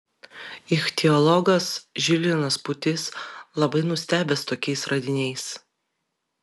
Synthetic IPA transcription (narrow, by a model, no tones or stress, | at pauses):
ɪxt̪ʲɛɔlˠɔɡɐsʒʲɪlʲɪnɐspʊt̪ʲɪslˠɐbɐɪnʊsʲt̪ʲæːbʲɛst̪oːkʲɛɪsɾɐd̪ʲɪnʲɛɪs